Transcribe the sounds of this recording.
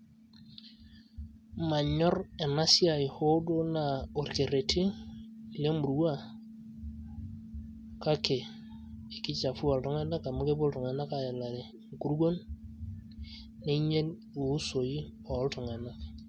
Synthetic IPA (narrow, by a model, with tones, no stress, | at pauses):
ma˨ɲɔ˦ɾɛ˨na˦si˦a˨i˨ho˦do˦na˨o˨ɾke˨ɾe˨tʰi˦˨ | le˦mu˨ɾu˦wa˦˨ | ka˦ke˨ | e˨kɪ˦t͡ʃa˨fu˦a˨ltɔ˦ŋɛ˦na˦ka˨mʊ˦ke˦bo˦ltɔ˨ŋɛ˨na˦ka˨ɛ˨la˨ɾe˨ŋku˦ɾɡo˦n | e˦i˦ɲe˦n | u˨˦so˨i˦ɔ˨˦ltɔ˨ŋɛ˨na˦k